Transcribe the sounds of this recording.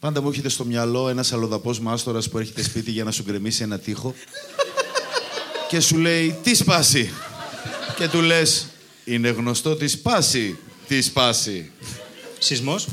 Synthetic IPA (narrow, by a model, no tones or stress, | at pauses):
pɐnd̪ɐmueçe̞t̪e̞st̪o̞mɲɐlo̞e̞nɐsɐlo̞ðɐpo̞zmɐst̪o̞ɾɐspue̞ɾçe̞t̪e̞spit̪iʝɐnɐsuɡɾe̞misie̞nɐt̪ixo̞ | ce̞sule̞it̪ispɐsi | ce̞t̪ule̞s | ine̞ɣno̞st̪o̞t̪ispɐsit̪ispɐsi | sizmos